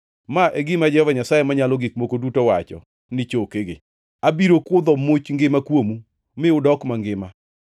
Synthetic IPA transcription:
maʔeɡɪmad͡ʒɛhɔvaɲasajemaɲalɔɡik̚mokodutowat͡ʃɔ̰ | nɪt͡ʃokeɡɪ | abiɾokʊd̪ɔmot͡ʃŋɡɪmakwomu | mɪʊdɔkmaŋɡɪma

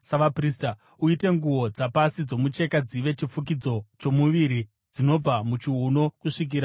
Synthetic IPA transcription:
saʋaprista | uite̞ŋɡuwo̞d͡zapasid͡zo̞mut͡ʃe̞kad͡ziʋe̞t͡ʃifuk̬id͡zo̞t͡ʃo̞muʋiɾi | d͡zino̞b͡vamut͡ʃiɦuno̞kuʂik̬iɾa

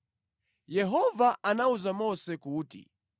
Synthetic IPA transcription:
jɛɦɔvaʔanauzamɔsɛkuːtḭ

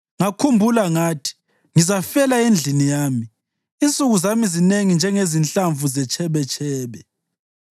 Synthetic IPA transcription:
ŋakʰumbʱulaŋaːtʰi̥ | ŋizafɛlaend͡ɮʱinijaːmi | int͡sʼuɣuzamizineŋind͡ʒʱɛŋezint͡ɬʼaɱvuzɛt͡ʃʰʼɛβɛt͡ʃʰɛːβɛ

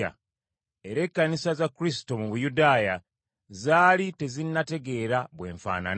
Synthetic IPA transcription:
a̰ | e̞ɾe̞kːanisazakːuɾis̬i̥to̞muβujudaːja | zaːlite̞zinːate̞ɡe̞ːɾaβwe̞̰ːɱfa̰ːna̰n

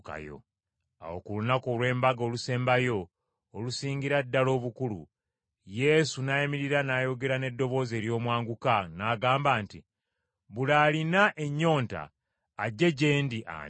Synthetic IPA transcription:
ka̰jo̰ | a̰wo̰kulunako̞ːlwe̞ːmbaɡo̞ːluse̞ːmbajo̞ː | lusiːɲɡiɾadːalo̞ːβukulṵ | je̞sunajimiɾiɾanajo̞ɡe̞ɾane̞dːo̞βo̞ːze̞ːɾjo̞ːmwaːŋɡukanaɡaːmbaːnti | βulaːlinaʔe̞ɲːo̞ːnta̰ː | ɟːe̞ɟe̞ːndiʔa̰

